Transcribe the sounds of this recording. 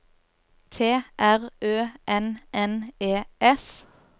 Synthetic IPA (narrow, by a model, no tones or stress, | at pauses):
t̪ʰeːʔæʁøːʔɛnʔɛneːʔɛs